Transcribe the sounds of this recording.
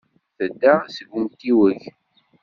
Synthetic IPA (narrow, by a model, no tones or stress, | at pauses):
θəd̪ːasəɡʷumt̪iwəç